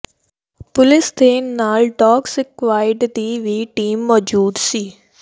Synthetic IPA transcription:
pʊlɪst̪ʰeːnːaːlʈɔːksɪkʋaːɪɖd̪iːʋiːʈiːmːɔːd͡ʒuːd̪siː

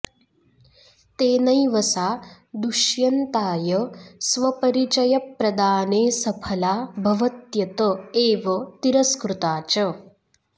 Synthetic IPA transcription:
t̪eːnɐjʋɐsaː | d̪uʃjɐnt̪aːjɐsʋɐpɐɾit͡ʃɐjɐpɾɐd̪aːneːsɐpʰɐlaːbʱɐʋɐt̪jɐt̪ɐeːʋɐt̪iɾɐskɾut̪aːt͡ʃɐ

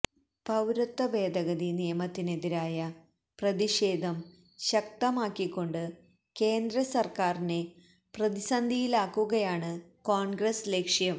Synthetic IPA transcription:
pɐwɾɐt̪ːɐbe̞ːd̪ɐɣɐðinijɐmɐt̪ːine̞ðiɾaːjɐ | prɐðiɕe̞ːd̪ʱɐm | ɕɐk̚t̪ɐmaːkːikːo̞ɳɖɨ | keːnd̪ɾɐsɐrkaːrine | prɐðisɐnd̪ʱijilaːkːuɣɐjaːɳɨkoːɳɡrɐsle̞ːkʂjɐm

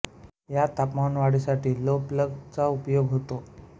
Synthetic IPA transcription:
jat̪apmanʋaɽisaʈʰiːlopləɡt͡saupjoɡɦot̪o

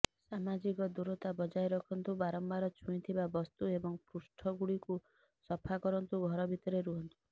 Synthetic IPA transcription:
samad͡ʒikɔd̪uɾɔt̪abɔd͡ʒajɾɔkʰɔnt̪ubaɾɔmbaɾɔt͡ʃʰuĩt̪ʰibabɔst̪uebɔŋpɾusʈʰɔɡuɽiku | sɔpʰakɔɾɔnt̪uɡʱɔɾɔbʱit̪ɔɾeɾuɦɔnt̪u̥

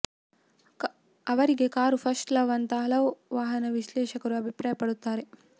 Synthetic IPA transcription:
ɐʋɐɾiɡekaːɾupʰɐsʈlɐʋɐnt̪aːlɐwʋaːɦɐnɐʋiʃlɛːʃɐkɐɾuɐbʱipɾaːjɐpɐɽut̪ːaːɾe

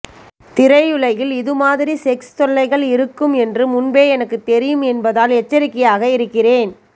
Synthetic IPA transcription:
t̪ɪɾɐɪɯɭɐjɪlɪðɯmaːðɪɾisɛkst̪ɔɭːɐɪɣɐɭɪɾɯkːɯmɛndrɯmʊnbeːɛnɐkːɯt̪ːɛɾɪjɯmɛnbɐðaːlɛt͡ʃːɐɾɪkːɪjaːɣɐɪɾɯkːɪreːn

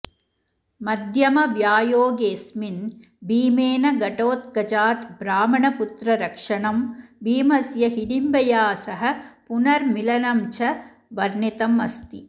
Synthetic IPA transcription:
mɐd̪ʱjɐmɐʋjaːjoːɡeːsmin | biːmeːnɐɡɐʈoːt̪̚kɐd͡ʒaːt̪bɾaːmɐɳɐput̪ɾɐɾɐkʂɐɳɐmbiːmɐsjɐɦiɽimbɐjaːsɐɦɐ̆punɐɾmilɐnɐmt͡ʃʰɐ | ʋɐɾnit̪ɐmɐst̪i

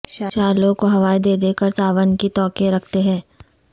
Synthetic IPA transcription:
ʃaːlõkoɦɐʋaːed̪eːd̪eːkəɾt̪aːʋənkit̪ɔːkeɾɐkʰt̪eɦɛ̃ː

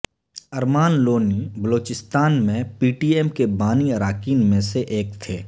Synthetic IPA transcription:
əɾmaːnloːnibəloːt͡ʃɪst̪aːnmẽpiːʈiːɛːmkebaːniəɾaːkiːnmẽseʔeːk̚t̪ʰeː

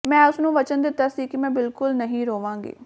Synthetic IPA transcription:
mɛ̃ːʊsnũːʋət͡ʃənd̪ɪt̪ːaːsiːkɪmɛ̃ːbɪlkʊlnəɦĩːɾoːʋãːŋɡḭː

